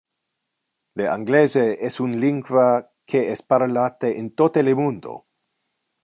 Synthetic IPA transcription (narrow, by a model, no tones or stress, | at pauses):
leaŋɡlezeesunliŋɡwa | kʰeespaɾolat̪eʔent̪ot̪elemũnd̪o̰